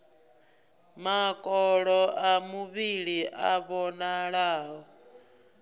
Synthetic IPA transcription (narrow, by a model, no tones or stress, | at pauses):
makʼɔɺɔʔamuβiɺiʔa̰βɔnaɺaːɦɔ